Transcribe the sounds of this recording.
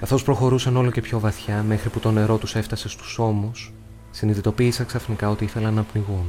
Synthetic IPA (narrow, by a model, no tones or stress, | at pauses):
kɐθo̞spɾo̞xo̞ɾusɐno̞lo̞ce̞pço̞vɐθçɐme̞xɾiput̪o̞ne̞ɾo̞t̪use̞ft̪ɐse̞st̪u̥so̞musː | iniðit̪o̞piːsɐksɐfnikɐo̞t̪iiθe̞lɐnːɐpniɣun